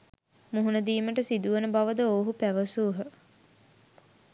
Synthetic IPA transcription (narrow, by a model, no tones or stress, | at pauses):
muɦunəd̪iːməʈəsid̪uʋənəbaʋəd̪əoːɦupæʋəsuːɦə